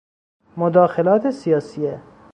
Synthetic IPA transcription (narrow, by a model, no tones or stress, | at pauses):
mod̪ɒːxelɒːt̪ʰesijɒːsije